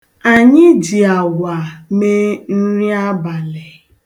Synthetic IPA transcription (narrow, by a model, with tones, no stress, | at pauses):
a˨ɲɪ˦d͡ʒi˨a˨ɡʷa˨me˦n̩˦ɾi˦a˦ba˨lɪ˨